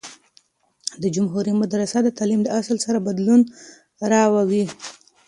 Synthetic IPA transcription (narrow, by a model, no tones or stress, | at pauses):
d̪əd͡ʒʊmɦuɾimad̪ɾasad̪ət̪ɑlimd̪əasəlsaɾabad̪lun | ɾɑwawi